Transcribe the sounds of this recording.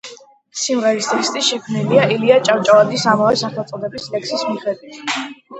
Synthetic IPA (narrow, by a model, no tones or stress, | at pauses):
simʁɛɾist̪ʰʼɛkst̪ʼiʃɛkʰmniliailiat͡ʃʼawt͡ʃʼavad̪isamavɛsaχat̪sʼd̪ɛbislɛksismiχɛd̪wit̪ʰ